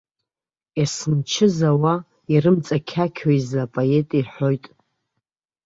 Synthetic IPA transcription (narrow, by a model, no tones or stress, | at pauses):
jasɨnt͡ʃʰɪzawa | iɾɨmt͡sʼakʲʰakʲʰojzapʼoe̞tʼiħʷo̞jtʼ